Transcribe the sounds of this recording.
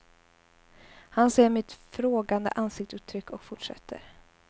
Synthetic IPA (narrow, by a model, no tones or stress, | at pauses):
hanseːɾmɪt̪fɾoːɡand̪ə̰ʔansɪk̚t̪sʉːt̪ʰɾʏkːɔkfʊʈʂɛ̰t̪ʰːə̰ɾ